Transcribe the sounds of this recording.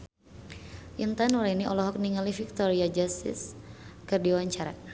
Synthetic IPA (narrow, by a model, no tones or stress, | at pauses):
ʔint̪anuɾainiʔɔlɔɦɔk̚niŋalifik̚t̪ɔɾiad͡ʒast̪ɪ̰skɨrdiwaɲt͡ʃaɾa̰